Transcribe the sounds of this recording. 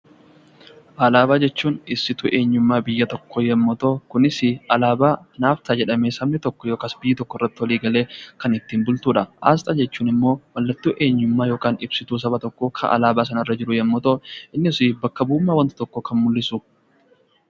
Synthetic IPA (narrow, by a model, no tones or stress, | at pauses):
ʔaːlaːbaːd͡ʒɛt͡ʃːuːnɪsɪt̪ʊʔe̞ːɲːʊmːaːbɪjːɐt̪ɔkːojɛmːɔt̪oːkʊnɪsɪɐlaːbaːnaːft̪ʰaːd͡ʒɛᶑɐmeːsɐmnɪt̪ɔkːɔjoːkasbɪjːɪt̪ɔkːɔɪrːɐt̪ːɪwɔliːɡɐle̞ːkɐnɪt̪ːiːnbʊlt̪uːᶑɐʔa̰ːs̬t̪ʼɐd͡ʒɛt͡ʃːuːnɪmːo̞ːwɐlːɐt̪ːuːʔe̞ːɲːʊmːaːjoːkaːnɪbsɪt̪uːs̬ɐbɐt̪ɔkːoːkʰɐ̰ʔɐ̰laːbaːsɐnɐrːɐd͡ʒɪɾʊjɛmːɔt̪oɪnːɪsibɐkːɐbuːmːaːwɐnt̪ɐ̥t̪ɔkːokɐnmʊlːɪsu